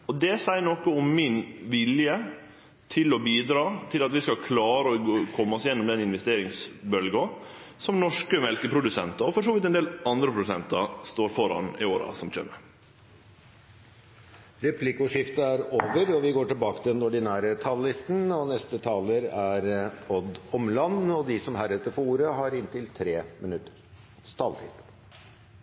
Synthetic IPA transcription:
ɔd̪ɛsæɪəɳɔkːəʊmːɪnʋɪljə | t̪ʰɪlɔbiːd̪ɾɑːt̪ʰɪlɑt̪ʋɪskɑkʰlɑːɾəɔkʰɔmːəɔsjɛnːɔmd̪ɛnɪnʋɛst̪eːɾɪŋsbœlɡɑ | sɔmnɔʂkəmɛlkəpʰɾʊd̪ʉsɛnt̪ɑɔfɔʂoːʋɪt̪ɛnd̪eːlɑnd̪ɾəpʰɾʊd̪sɛnt̪ɑst̪oːɾfɔɾɑ̰nɪ̰oːɾɑ̰sɔmc͡çø̰mːə | ɾɛpʰlɪkʊʂɪft̪əæɾoːʋəɾɔʋɪɡoːʈɪlbɑːkət̪ʰɪd̪ɛnɔɖɪnæːɾət̪ʰɑlːɪst̪n̩ɔnɛst̪ət̪ʰɑːləɾæɾɔd̪ɔmlɑnːɔd̪ɪsɔmhæːɾʉt̪ːəɾfɔuːɾəɦɑɾɪnt̪ɪlt̪ʰɾeːmɪnʉt̪ːə̥ɾ | st̪ʰɑːlt̪ʰɪ̰ːd̪̥

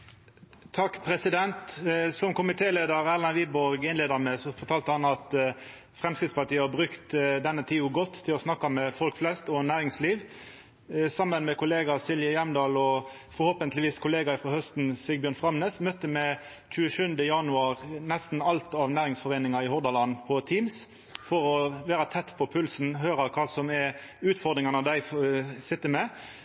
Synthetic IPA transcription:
t̪ʰɑkːpʰɾɛsɪd̪ɛnt̪sɔmkʊmɪt̪ʰeːleːd̪əɾæʁlɑnʋiːbɔɾɡɪnleːd̪əmɛsɔfɔt̪ʰɑːlt̪əhɑnɑt̪ | fɾʁɛmskɪt̪spɑʈiːəhɑbʁʉkt̪d̪ɛnːət̪ʰiːʊɡɔt̪ʰːɪlɔsnɑkːɑmɛfɔlkflɛst̪ɔnæːɾɪŋsliːʋ | sɑmːənmɛkʊleːɡɑsɪlʋjəjæmd̪ɑːlɔ | fɔɾhoːpənt̪lɪʋiːskʰʊleːɡɑɪfɾɔhœst̪nsɪɡbjøːʁnfʁɑmneːsmœt̪ːəmɛ | c͡çʉːəʃʉnd̪əjɑnʉɑːɾnɛst̪n̩ɑlt̪ɑʋnæːɾɪŋsfɔʁeːnɪŋɑɪhɔʁd̪ɑlɑnpʰɔt̪ʰiːms | fɔɾɔʋæːɾɑt̪ʰɛt̪ːpʰɔpʰʉlsn̩ɦøːɾɑɾkʰɑːsɔmɛʉːt̪fɔd̪ɾʁɪŋɑnəd̪æɪsɪt̪ːəmɛ

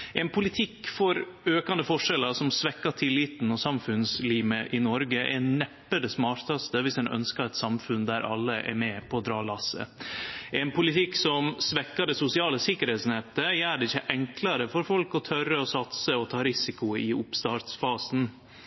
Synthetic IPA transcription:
ʔɛnpʰʊlɪt̪ʰɪkːfɔɾøːkɑnd̪əfɔʂɛləʂɔmsʋɛkːɑʈ̪ʰɪlːiːt̪n̩ɔsɑmfʉnsliːməʔɪnɔɾɡəʔɛ̰nɛpːəd̪ɛsmɑːɾt̪ɑst̪əʋɪsɛnʔœ̰nskəɾɛt̪sɑmfʉnd̪æɾʔɑ̰lːəʔɛ̰ɾmɛpʰɔːd̪ɾɑːlɑsːə̰ | ɛnpʊlɪt̪ʰɪkːsɔmsʋɛkːɑɖɛsʊsɪɑːləsɪkːəɾhɛːt̪snɛpt̪əjæːɖɛɪçːəʔɛŋklɑɾəfɔɾfɔlkɔt̪ʰœɾəɔsɑt̪səɔt̪ʰɑːɾɪsɪkʊɪʊpst̪ɑːɾt̪sfɑːsn̩

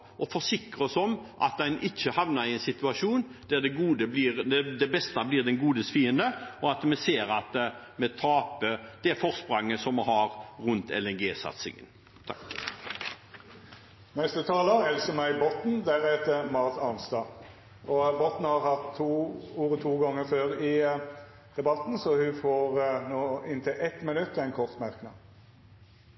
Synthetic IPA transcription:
ʔɔfɔsɪkɾəɔsɔmʔɑ̰t̪̚d̪ɛnʔɪt͡ʃːəhɑʋnɑɾɪɛɪnsɪt̪ʉɑʂuːnd̪̥æd̪ɛɡuːd̪əbliːɾd̪ɛd̪ɛbɛst̪ɑblɪːʁd̪ɛnɡuːd̪əsfiːənd̪əɔɑt̪mɛseːɾɑt̪ | mɛt̪ʰɑːpəd̪̥ɛfɔʁspʁɑŋːəsɔmhɑɾɾʉnt̪ɛ̰lɛnɡeːsɑ̰t̪sɪ̰ŋə̰n | t̪ʰɑk | nɛst̪ət̪ʰɑːləɛlsɔmæɪbɔt̪n̩d̪æɾɛt̪əmɑʁt̪ɑnst̪ɑː | ɔbɔt̪n̩hɑɾhɑt̪ʰːuːuːɾət̪ʰuːɡɔŋːəføːɾɪ | d̪̥ɛbɑt̪n̩sɔhʉfoːɾnoːɪnt̪ʰɪlʔɛt̪mɪnʉt̪ːɛɪnkʰɔʁt̪mæɾknɑ̰ː

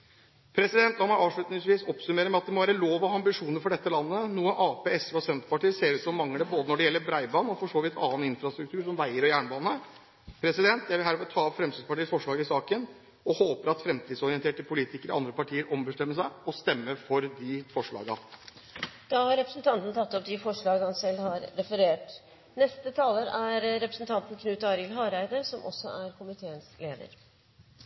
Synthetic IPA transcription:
pʰɾɛsɪd̪ɛnt̪ɑmhɑɾɑːʋʂɭʉːt̪nɪŋsʋiːsɔpsʉmeːɾəmɛɑt̪d̪ɛmɔʋæːɾəloːʋɑɑmbɪʂuːnəɾfɔɖɛt̪ːəlɑnːənuːənɑːpeːɛsʋɔsɛnt̪pɑʈiːəseːɾʉːt̪sɔmːɑŋːəɖɛboːd̪ənɔɖɛjɛlːəɾbɾæɪbɑːnɔfɔʂoːʋɪt̪ʰɑːənɪnfɾɑst̪ɾʉk̚t̪ʰʉːɾʂɔmʋæɪəɾɔjæːɳbɑːnə | pʰɾɛsɪd̪ɛnt̪̚æɾʋɪlɦæɾmɛt̪ʰɑːɑʋfɾɛmsiːd̪pɑʈiːsfɔʂɭɑːɡəɪsɑːkən | ɔhoːpəɾɑt̪fɾɛmt̪ʰiːd̪sɔɾɪənt̪ʰeːʈəpʰʊliːt̪ɪkəɾɪʔɑnd̪ɾəpɑʈʰiːəɾɔmbəʂʈ̪ɛmːəʂæɪɔst̪ɛmːəfɔɾd̪ɪfɔʂɭɑ̰ːɡɑ | d̪̥ɑːhɑɾɛpɾəsnt̪ʰɑnt̪n̩t̪ʰɑt̪ːɔpd̪ɪfɔʂɭɑːɡhɑnsɛlːhɑɾːɛfəɾeːʈ | nɛst̪ət̪ʰɑːləɾæɾːɛpɾəsn̩t̪ʰɑnt̪n̩kʰnʉːt̪ɑɾɪəlɦɑːɾæɪd̪əsɔmʔɔ̰sːɔʔæɾkʰʊmɪt̪ʰeːənsleːd̪ə̰ɾ

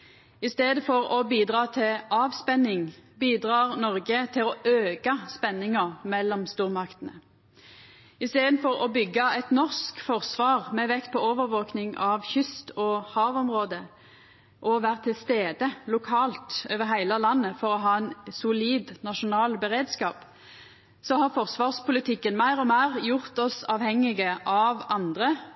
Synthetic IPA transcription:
ɪst̪eːd̪əfɔʁɔbiːd̪ʁɑːt̪ʰɪɑːʋspɛnɪŋbiːd̪ʁɑːʁnɔʁɡət̪ʰɪlɔʔøːkɑspɛnːɪŋɑmɛlːɔmst̪uːʁmɑkt̪ənə | ɪst̪eːd̪n̩fɔʁɔbʏɡːɑɛt̪nɔʁskfɔʁsʋɑːʁmɛʋɛkt̪̚pʰɔoːʋəʁʋoːknɪŋʔɑʋçʏst̪ɔhɑːʋɔmʁoːd̪ə | ʔɔʋæːʁət̪ʰɪlst̪eːd̪əlʊkʰɑːlt̪øːʋəʁɦæɪlɑlɑnːəfɔʁɔɦɑːɛnsʊliːd̪nɑʃʊnɑːlbəʁeːd̪skɑːp | sɔhɑʁfɔʁsʋɑːʁspʊlɪt̪ʰɪkːənmæɪʁɔmæːʁjʊʁt̪ɔsɑʋhɛŋːɪɡəʔɑʋɑnd̪ʁə

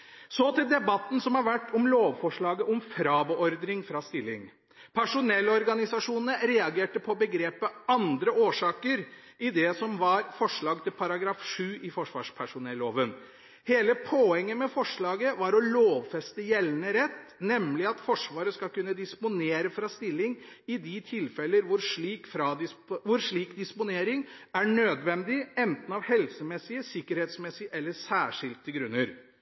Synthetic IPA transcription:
sɔt̪ɪld̪ɛbɑt̪ːn̩sɔmhɑɾʋæʈːɔmloːʋfɔʂɭɑːɡəʔɔmfɾɑːbəɔɾd̪ɾɪŋfɾɑst̪ɪlːɪ̰ŋ | pʰæʂʊnɛlːɔɾɡɑnɪsɑʂuːnnəɾɛɑɡeːʈəpʰɔbəɡɾeːpəɑnd̪ɾəʔoːʂɑːkəɾ | ʔɪd̪ɛsɔmʋɑɾfɔʂɭɑːɡ̚t̪ʰɪlpʰɑɾɑɡɾɑːfʂʉːʔɪfɔʂʋɑ̰ːʂpʰæʂʊnɛlːoːʋən | heːləpʰoːɛŋːəmɛfɔʂɭɑːɡəʋɑɾɔloːʋfɛst̪əjɛlːənəɾɛt̪ːnɛmlɪɑt̪fɔʂʋɑːɾəskɑlkʉnːəd̪ɪspʊneːɾəfɾɑst̪ɪlːɪŋɪd̪ɪt̪ʰɪlfɛlːəɾʋʊɾʂɭiːkfɾɑd̪ɪʋʊɾʂɭiːkd̪ɪspʊneːɾɪŋæɳøːd̪ʋɛnd̪ɪɛnt̪n̩ɑʋhɛlsəmɛsːɪəsɪkːəɾheːt̪smɛsɪʔɛlːəsæːʂɪlkt̪ʰːəlɡɾʉnːəɾ

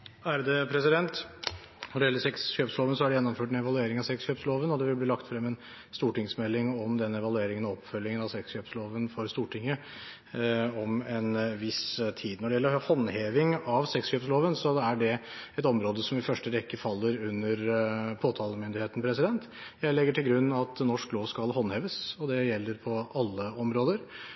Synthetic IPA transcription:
æɾd̪ɛpʰɾɛsɪd̪ɛnt̪ | nɔɖɛjɛlːəsɛksçøːpsloːʋənsɔæɖɛjɛnːɔmføːʈ̬ɛnɛʋɑlʉeːɾɪŋɑʋsɛksɕøːpsloːʋənɔd̪ɛʋɪlbliːlɑkt̪fɾɛmːɛn | st̪uːʈɪŋsmɛlːɪŋɔmd̪ɛnːɛʋɑlʉeːɾɪŋənɔɔpːfœlːɪŋənɑʋsɛksɕøːpsloːʋənfɔɾst̪uːʈʰɪŋːə | ɔmɛnʋɪst̪ʰiːd̪nɔɖɛjɛlːəɾhɔnheːʋɪŋɑʋsɛksɕøːpsloːʋənsɔæɖɛɛt̪ɔmɾoːd̪əsɔmɪfœʂʈəʋɛkːəfɑlːəɾʉnːəɾpʰoːt̪ʰɑːləmʏnd̪ɪɾheːt̪n̩pʰɾɛsɪd̪ɛnt̪ | jæɪlɛɡːəʈɪlɡɾʉnːɑt̪nɔʂkloːʋskɑlɦɔnheːʋəsɔd̪ɛjɛlːəɾpʰɔɑlːəɔmɾoːd̪əɾ

